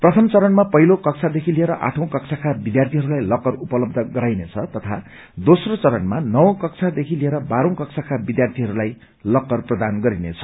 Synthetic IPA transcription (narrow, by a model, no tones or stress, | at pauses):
prʌt̪ʰʌmt͡sʌɾʌnmapʌɦilokʌkt͡sʰad̪ekʰilieɾʌʔa̰ʈʰʌ̃w̃kʌksʰakʰabid̪jart̪ʰiɦʌɾulajlʌkːʌrupʌlʌb̚d̪ʱʌɡʌɾajnet͡sʰʌt̪ʌt̪ʰa | d̪osrot͡sʌɾʌnmanʌwʌ̃kʌkt͡sʰad̪ekʰilieɾʌbaɾʌ̃w̃kʌksʰakʰabid̪jart̪ʰiɦʌɾulaj | lʌkːʌrprʌd̪anɡʌɾinet͡sʰʌ̥